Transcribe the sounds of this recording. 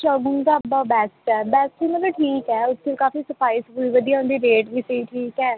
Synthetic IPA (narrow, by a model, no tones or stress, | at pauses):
t͡ʃəːɡũŋd̪aːəbaːbɛːsʈɛːbɛːsʈʋiːmət̪ləʈʰiːkɛːʊt̪ʰːekaːfiːsəpʰaːiːsbuiːʋəd̪ijaːnd̪iːɾeːʈʋiːsəiːʈʰiːkɛː